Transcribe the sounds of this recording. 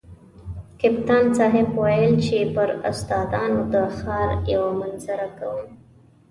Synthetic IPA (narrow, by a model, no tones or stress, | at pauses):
kɪpt̪ɑnsɑɦɪbwajəlt͡ʃepəɾʊ̰st̪ɑd̪ɑnod̪əxɑɾjawamanzaɾakawəm